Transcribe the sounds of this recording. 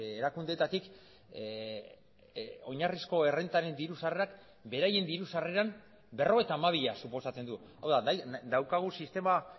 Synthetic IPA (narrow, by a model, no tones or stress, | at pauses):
eɾakund̪et̪at̪ik | o̞ɲarisko̞e̞re̞nt̪aɾe̞nd̪iɾusareak | be̞ɾaje̞nd̪iɾusareɾam | be̞ro̞ɣ̞e̞t̪aːmaβiʎasupo̞sat͡se̞nd̪u | awðad̪awkaɣ̞usist̪e̞ma